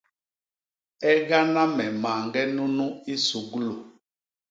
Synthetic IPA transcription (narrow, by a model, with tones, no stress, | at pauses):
ɛ˦ɡa˦na˦mɛ˨maː˨ŋɡɛ˦nu˦nũ˦i˦su˨ɡlo˨